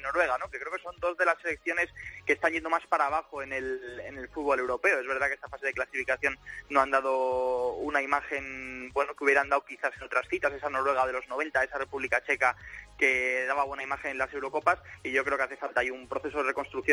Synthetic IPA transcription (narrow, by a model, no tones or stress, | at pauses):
noɾwe̞ɣ̞anokekɾe̞o̞keso̞nd̪o̞zðe̞lase̞le̞k̚θjo̞ne̞skest̪anɲʝe̞nd̪o̞maspaɾaːβ̞axo̞e̞ne̞lene̞lfud̪βo̞le̞wɾo̞pe̞oe̞zβe̞ɾð̞akeest̪afase̞ðe̞klasifikaθjo̞nːoand̪að̞o̞unaimaxe̞nbwe̞nokeuβje̞ɾand̪awkiθase̞no̞t̪ɾasθit̪ase̞sano̞ɾwe̞ɣaðe̞lo̞zno̞β̞e̞nt̪ae̞sare̞puβlikat͡ʃe̞kake̞ðaβaβwe̞naimaxe̞nenlase̞wɾo̞ko̞pasiʝo̞kɾe̞o̞keaθe̞falt̪ajumpɾo̞θe̞soðe̞reko̞nst̪ɾuk̚θjo